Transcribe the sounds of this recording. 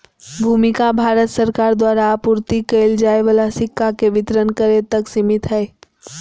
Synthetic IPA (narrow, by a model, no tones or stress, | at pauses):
bʱuːmɪkabʱaːɾət̪səɾkaːɾd̪waːɾapuːɾt̪ikeɪld͡ʒaːeʋəlasɪkːakeʋɪt̪ɾənkəɾet̪əksɪmɪt̪ɦɛː